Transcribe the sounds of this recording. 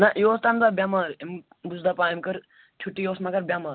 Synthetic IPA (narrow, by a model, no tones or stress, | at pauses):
naʔjoːst̪aːmd̪aːbjamaːɾem | buzd̪apãːemkəɾ | t͡ʃʰuʈːijoːsmãkɐɾbʲjamaːɾ